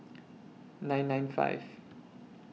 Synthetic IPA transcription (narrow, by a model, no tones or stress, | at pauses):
nãjnːãj̃nfa̰jf